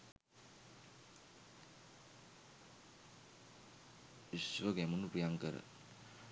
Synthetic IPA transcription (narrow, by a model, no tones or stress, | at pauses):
isʋəɡɛmunupijaŋkəɾə̰